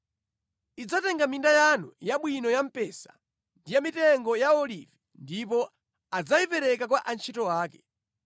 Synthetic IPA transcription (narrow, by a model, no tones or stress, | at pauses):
id͡zatɛŋɡamindajanujaɓwinɔjam̩pɛsḁ | ndijamitɛŋɡɔjaɔlivi | ndipɔ | ad͡zaipɛɾɛkak̬waʔant͡ʃʰitɔwaːkɛ̥